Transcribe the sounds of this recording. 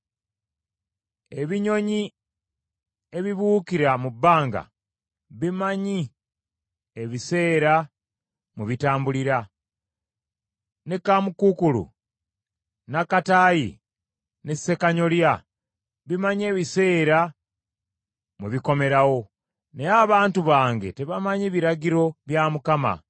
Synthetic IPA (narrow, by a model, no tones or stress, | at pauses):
e̞βiɲo̞ɲi | e̞βiβuːkiɾamubːaːŋɡa̰ | βimaɲi | eβise̞ːɾa | muβitaːmbuliɾa | nekamukukulṵ | nakataːjḭ | nese̞kaɲo̞lja | βimaɲie̞ːβise̞ːɾa | muβiko̞me̞ɾawo̞ | neaβaːntuβaːŋɡe̞te̞βamaɲiβiɾaɟiɾo̞βjamukama̰